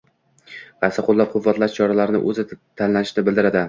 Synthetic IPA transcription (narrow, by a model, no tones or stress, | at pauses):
vasaqʰolˠːap̚qʰʊvːat̪laʃt͡ʃʰɒɾalaɾnɪ̰ʔɵzɪt̪ʰanlanɪʃnɪbɪld̪ɪɾad̪ɪ